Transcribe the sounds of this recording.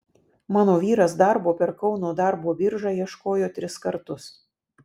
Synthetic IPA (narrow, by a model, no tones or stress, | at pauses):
mɑːnoːʋʲiːɾɐs̬d̪ɐɾboːpʲɛɾkɒʊnoːd̪ɐɾboːbʲɪɾʒɑːjiɛʃkoːjoːt̪ʲɾʲɪskɐɾt̪ʊs